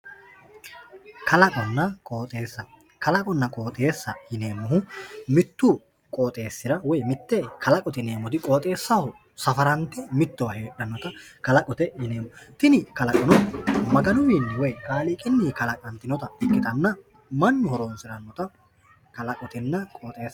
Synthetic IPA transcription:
kʰɐlɐkʼɐnːɐkʼoːt̪ʼe̞ːsːɐ | kɐlɐkʼɔnːɐkʼo̞ːt̪ʼe̞ːsːɐjɪne̞ːmːʊɦʊmɪt̪ːʊ | kʼoːt̪ʼe̞ːsːɪɾɐwɔjmɪt̪ːɛkʰɐlɐkʼɔt̪ɪne̞ːmɔt̪ɪkʼoːt̪ʼe̞ːsːɐhʊ | sɐfɐɾɐnt̪ːɛmɪt̪ːɔwɐheːɗɐnːɔt̪ɐ | kɐlɐkʼɔt̪ɛjɪneːmːɔt̪ɪnɪkɐlɐkʼɔnɔmɐɡɐnʊwiːnːɛwɔjkʼaːlɪkʼɪnːiːkɐlɐkʼɐnt̪ɪnɔt̪ɐɛkːɪt̪ɐnːɐ | mɐnːʊhɔɾoːnsɪɾɐnːɔt̪ɐ | kɐlɐkʼɔt̪ɪnːɐkʼoːt̪ʼe̞ːsːɐ

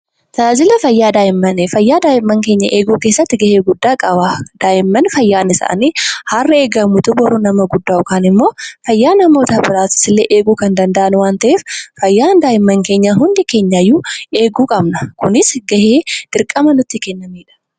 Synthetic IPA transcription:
t̪ɐaːd͡ʒɪlɐfɐjːaːd̪aːjɪmːɐnɛfɐjːaːd̪aːjɪmːɐŋke̞ːɲːɐʔe̞ːɡuːkeːsːɐt̪ːɪɡɐheːɡʊd̪ːaːkʼɐwaːd̪aːjɪmːɐnfɐjːaːnɪsa̰ʔɐ̰neːharːɐe̞ːɡɐmːut̪ʊbɔɾʊnɐmɐɡʊd̪ːaːʊkaːnɪmːo̞ːfɐjːaːnɐmoːt̪ɐbɪɾaːt̪ɪ̥sɪlːeːʔeːɡuːkɐnd̪ɐnd̪ɐʔɐnwaːnt̪ɐʔeːffɐjːaːnd̪aːjɪmːɐŋke̞ːɲːaɦʊnd̪ɪke̞ːɲːajːuːe̞ːɡuːkʼɐbnɐkʊnɪsɡɐheːd̪̥ɪɾkʼːɐmɐnʊt̪ːɪkɛnːɐmiːᶑɐ̥

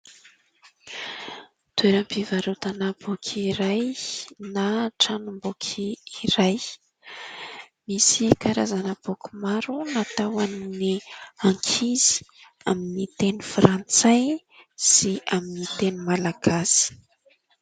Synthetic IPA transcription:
t̪ueɾampivaɾut̪anab̥ukʰiɾajnaʈ͡ʂanumbukʰiiɾaj | misikaɾa̰zanəb̥oku̥maɾunat̪awanniaŋkʰizi̥ | aminit̪enifɾant͡saj | siaminit̪enimalaɡ̥asi̥

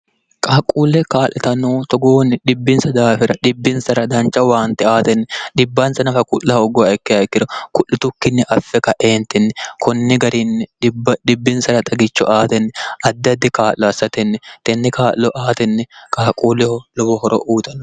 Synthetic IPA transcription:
kʼaːkʼuːlːɛkaːlːɛt̪ɐnuːt̪ɔɡoːnːɪᶑɪbːɪnsɐd̪aːfɪɾɐᶑɪbːɪnsɐɾɐd̪ɐnt͡ʃːɐwaːnt̪ːɛaːt̪ɛnːɛᶑɪbːɐnsɐnɐfɐkʊʔːɐɔɡɔɛkːɪɐɛkːɪɾɐkʊʔːɪt̪ʊkːɪnːɛʔɐfːɛkɐʔeːnt̪ɛnːɛkʰɔnːɪɡɐɾinːɛɗɪbːɐᶑ̪ɪbːɪnsɐɾɐt̪ʼɐɡɪt͡ʃːɔ̰ʔaːt̪ɛnːɛʔɐd̪ːɐd̪ːɪkaːllɔɐsːɐt̪ɛnːɛt̪ɛnːɛkaːʔlɔʔaːt̪ɛnːɛkʼaːkʼuːlɛhɔlɔbɔhɔɾɔ̰ʔuːt̪ʼɐnː

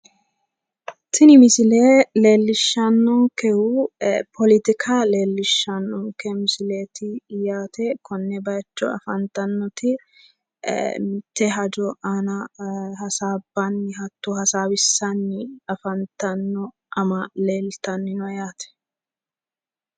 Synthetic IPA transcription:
t̪ɪnɪmɪsɪleːle̞ːlːɪʃːɐnːɔŋkɛhupʰɔlɪt̪ɪkʰale̞ːlːɪʃːɐnːɔŋkɛmɪsɪleːt̪ɪjaːt̪ɛkʰɔnːɛbɐjt͡ʃːɔ̰ɐ̰fɐnt̪ɐnːɔt̪ɪ | mɪt̪ːɛɦɐd͡ʒɔʔɐnɐhɐsaːbːɐnːɪhɐt̪ːuhɐsaːwɪsːɐnːɪɐfɐnt̪ɐnːɔ | ʔɐmɐle̞ːlt̪ɐnːɪnɔjaːt̪ɛ̥

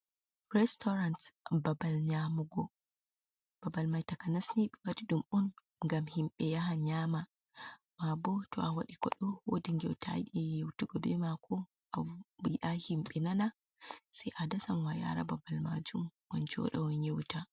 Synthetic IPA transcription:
ɾɛstɔɾantbabalɲamuɡɔ | b̥abalmajtakanasniɓɛwaɗiɗumɔn | ŋɡamhimɓɛjaɦaɲaːma | mabɔtɔ̰awa̰ɗikɔ̰ɗɔwodiŋɡɛwtʰa̰ɗɛjewtuɡɔbɛmakʰɔ | aiʔahimɓɛnana | sɛjʔadasamwaja̰ɾa̰babalma̰d͡ʒumwɔnd͡ʒɔ̰ɗɔwɔɲewta

